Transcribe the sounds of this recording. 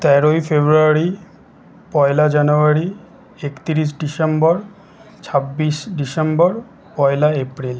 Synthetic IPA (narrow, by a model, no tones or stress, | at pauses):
t̪ɛɾojfebɾuaɾi | pɔelad͡ʑanuaɾi | ekt̪iɾis̬ɖisembɔɾ | t͡ɕʰabːiʃɖisembɔɾ | pɔjlaepɾil